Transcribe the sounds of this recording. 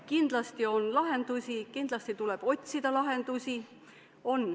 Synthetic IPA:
kind̪̥lɑst̪io̞nlɑɦe̞nd̪̥usʲikind̪̥lɑst̪it̪ule̞b̥o̞t̪ʲsid̪̥ɑlɑɦe̞nd̪̥usʲi | o̞nː

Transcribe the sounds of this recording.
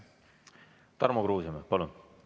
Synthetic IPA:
t̪ɑɾmokɾuːsimepɑlun

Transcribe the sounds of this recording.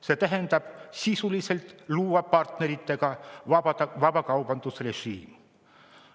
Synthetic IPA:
se̞t̪æɦend̪̥ɑb̥sisulise̞lt̪luːɑpɑrt̪ne̞ɾit̪ːe̞ɡ̥ɑɑɑɑvɑbɑkɑwbɑnd̪̥usre̞ʒḭːm

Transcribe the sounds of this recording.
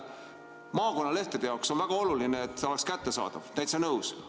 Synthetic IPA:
mɑːko̞nːɑle̞ht̪ed̪ejɑokso̞nvæɡ̥ɑo̞lulineːt̪ːeo̞lekskæt̪ːesɑ̰ːd̪̥ɑ̰v̥næjt̪sɑnɤws

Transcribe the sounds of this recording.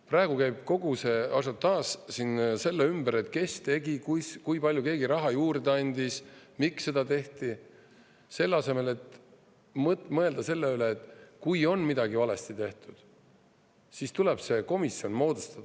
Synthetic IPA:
prɑe̞ɡ̥ukæjb̥̚ko̞ɡ̥use̞ɑs̬ɑt̪ːɑːssinse̞lːeymb̥əɾe̞t̪ˑke̞st̪e̞ɡikujskujpɑlʲjuke̞ːɡiɾɑɦɑjuːɾd̪̥ɑnʲd̪ismikssːe̞d̪ɑt̪e̞ht̪i | se̞lːɑse̞me̞le̞t̪ | mtmɤe̞ld̪ɑse̞lːeyleːt̪ːˑkujo̞nmid̪ɑɡivɑle̞st̪it̪e̞ht̪ud̪̥ | sist̪ule̞b̥se̞ko̞misio̞nmo̞ːd̪̥ust̪ɑd̪̥ɑ

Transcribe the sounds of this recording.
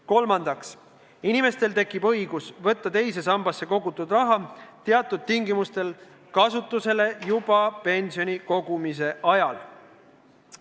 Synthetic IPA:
ko̞lmɑnd̪̥ɑks | inime̞st̪e̞lt̪e̞kːˑib̥ɤ̞jɡ̥usvɤ̞t̪ːɑt̪e̞js̬e̞sɑmbɑsːe̞ko̞ɡut̪ːˑud̪̥rɑɦɑt̪eɑt̪ːˑud̪̚t̪iŋɡimust̪e̞l | kɑsut̪ːˑuse̞le̞jub̥ɑpe̞nʲsio̞niko̞ɡ̥umise̞ʔɑjɑl

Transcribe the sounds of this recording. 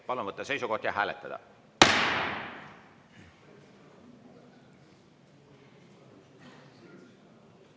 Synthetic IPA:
pɑlunvɤt̪ːˑɑse̞jsuko̞ht̪jɑɦæːlet̪ˑːɑd̪̥ɑ̰

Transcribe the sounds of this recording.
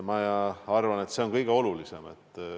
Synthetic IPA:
mɑjɑɑrvɑne̞t̪se̞onkɤjɡ̥e̞o̞lulise̞me̞̰t̪ːˑ

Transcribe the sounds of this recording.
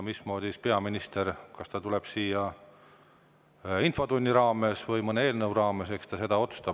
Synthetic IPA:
mismo̞ːd̪̥ʲispe̞ɑminist̪e̞ɾkɑst̪ɑt̪uleb̥siːjɑ | info̞t̪unʲːiɾɑːme̞svɤjmɤneeːlnɤwɾɑːme̞sekst̪ɑse̞d̪ɑo̞t̪su̥st̪ɑ

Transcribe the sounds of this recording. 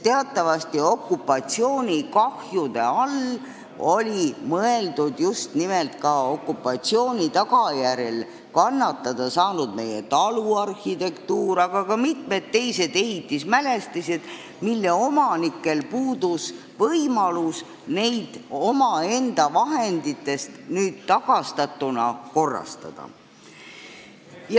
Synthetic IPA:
t̪eɑt̪ːˑɑvɑst̪io̞kːˑupːˑɑt̪sio̞ːnʲikɑhjud̪̥e̞̰ɑl | o̞lʲimɤe̞ld̪̥ud̪just̪nime̞lt̪kɑo̞kːˑupːˑɑt̪sio̞ːnʲit̪ɑɡɑjæɾe̞l | kɑnːɑt̪ˑːɑd̪̥ɑsɑːnud̪me̞jḛt̪ɑluɑrhit̪e̞kt̪uːɾɑɡ̥ɑkɑmit̪me̞t̪ːe̞jse̞d̪̥e̞ɦit̪ːˑismæle̞st̪ised̪ | milːe̞o̞mɑnikːˑe̞lpuːd̪us | vɤjmɑlus | ne̞jd̪̥o̞mɑe̞nd̪̥ɑvɑɦe̞nd̪̥it̪ːˑe̞st̪nyːd̪̥t̪ːɑɡ̥ɑst̪ɑt̪ːˑunɑ̰ko̞rːɑ̰st̪ɑ̰d̪̥ɑ̰ | j

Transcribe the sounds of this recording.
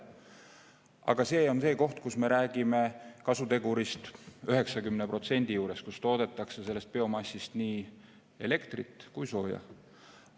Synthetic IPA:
ɑ̰ɡ̥ɑse̞ːo̞nse̞ːko̞ht̪kusme̞ɾæːɡ̥ime̞kɑsut̪e̞ɡuɾist̪øɦe̞ksɑkymnepro̞t̪se̞nʲd̪̥ijuːɾe̞skust̪o̞ːd̪̥e̞t̪ːˑɑkse̞se̞lːe̞st̪̚pe̞o̞mɑsʲːist̪niː | e̞le̞kt̪rit̪ːˑkujso̞ːjɑ̰

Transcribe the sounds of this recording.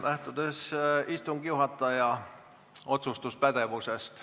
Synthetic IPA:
næht̪ud̪̥e̞sist̪uŋɡ̥iuɦɑt̪ːˑɑjɑ | ʔo̞t̪sust̪uspæd̪̥e̞vuse̞st̪

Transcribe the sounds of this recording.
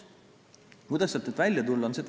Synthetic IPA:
kujd̪ɑsːet̪ːet̪vælʲjɑt̪ulːɑonset̪

